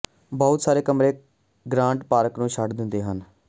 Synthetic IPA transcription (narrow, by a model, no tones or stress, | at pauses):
bɔːʊt̪saːɾeːkəmɾeː | ɡɾãːɳʈpaːɾəknũːʃʰəɖd̪ɪnd̪eːɦən